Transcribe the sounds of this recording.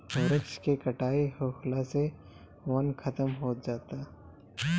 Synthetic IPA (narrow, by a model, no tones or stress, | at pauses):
ʊɾəkt͡ʃkekɐʈaːihoːkʰlase | wɐnkʰɐt̪əmɦoːd͡ʒaːt̪aː